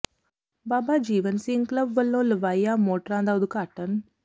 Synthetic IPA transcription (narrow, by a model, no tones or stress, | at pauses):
baːbaːd͡ʒiːʋɐnsiŋklɐbʋɐlːoːlʋɐjaːmoːʈɾãːnd̪awd̪ukaːʈːɐn